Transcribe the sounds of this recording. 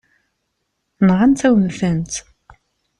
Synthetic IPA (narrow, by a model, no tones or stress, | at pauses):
nʁant̪æwmθənt̪